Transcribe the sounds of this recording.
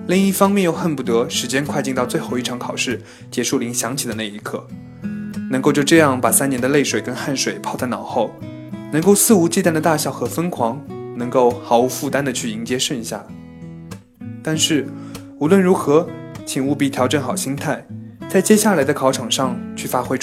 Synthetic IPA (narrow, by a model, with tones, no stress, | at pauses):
li˥˧ŋi˥˩fɑ˥ŋmjɛ˥˧njo˥˧ʊxə˥˩npu˥˩t̪ɤ˧˥ʂɻ̩˧˥t͡ɕjɛ˥nkʰwa˥˧ɪt͡ɕi˥˧nt̪ɑ˥˧ʊt͡swe˥˧ɪxo˥˧ʊi˥˩ʈ͡ʂʰɑ˧˥ŋkʰɑ˨˩ʊʂɻ̩˥˩ | t͡ɕjɛ˧˥ʂu˥˩li˧˥ŋɕjɑ˧˥ŋt͡ɕʰi˨˩d̪ə˦na˥˩i˧˥kʰɤ˥˩ | nɤ˧˥ŋko˥˧t͡ɕjo˥˧ʈ͡ʂɤ˥˧jɑ˥˩ŋpa˨˩sa˥njɛ˧˥nd̪ə˧le˥˩ɪʂwe˨˩ɪkə˥nxa˥˩nʂwe˨˩ɪpʰɑ˥˧ʊt͡s̪ʰa˥˩ɪnɑ˨˩ʊxo˥˩ʊ | nɤ˧˥ŋko˥˧ʊsɹ̩˥˩u˧˥t͡ɕi˥˧t̪a˥˩nd̪ə˩t̪a˥˩ɕjɑ˨˩ʊxɤ˧˥fə˥nkʰwɑ˧˥ŋnɤ˧˥ŋko˥˩ʊxɑ˧˥ʊu˧˥fu˥˩t̪a˥nd̪ə˨t͡ɕʰy˥˩i˧˥ŋt͡ɕjɛ˥ʂə˥˧n˧˩ɕja̰˥˩ | t̪a˥˧nʂɻ̩˥˩ | u˧˥lwə˥˩nɻu˧˥xɤ˧˥t͡ɕʰi˨˩ŋu˥˧pi˥˩t̪ʰjɑ˧˥ʊʈ͡ʂə˧˥˩nxɑ˨˩ʊɕi˥ŋt̪ʰa˥˩ɪt͡sa˥˩ɪt͡ɕjɛ˥ɕja˥˩la˧˥ɪd̪ə˧kʰɑ˧˥ʊʈ͡ʂʰɑ˨˩ŋʂɑ˥˧ŋt͡ɕʰy˥˩fa˥xwe˥ɪʈ͡ʂ